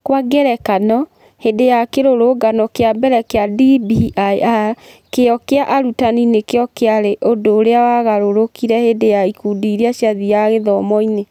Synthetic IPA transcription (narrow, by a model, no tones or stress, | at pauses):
kwaɡɛɾɛkanɔ | hedejakeɾoɾoɡanɔkeabɛɾɛkeadibiaakeɔkeaʔaɾutaninekeɔkeaɾeʔodoːɾeawaɣaɾoɾokiɾɛhedejaikudiɾiaʃjaðiaɣeðɔmɔine